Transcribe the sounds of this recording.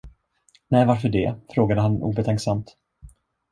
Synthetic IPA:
nɛjvaɾfœɖɛfɾoːɡad̪əɦanṵːbɛt̪ʰɛŋksamt̪

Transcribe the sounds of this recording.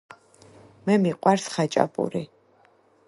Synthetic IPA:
mɛmiqʼwaɾsχat͡ʃʼa̰pʼṵɾi

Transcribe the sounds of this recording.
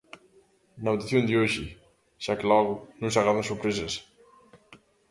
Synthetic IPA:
nawd̪iθjond̪ioʃi | ʃakelɔɣunũnsaɣɾaðansuɾpɾeses

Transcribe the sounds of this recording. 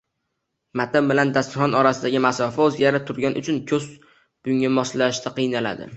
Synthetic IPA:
mat̪ʰambɪland̪ast̪ɪχɒnɒɾasɪd̪aɡʲɪmasɒfaɵzɡʲaɾat̪ʰʊɾɡʲanʔʊ̰t͡ʃʰʊnkʲʰɵz | b̥ʊŋamɒslaʃt̪ʰaqʰɨjnala̰d̪ɪ̰

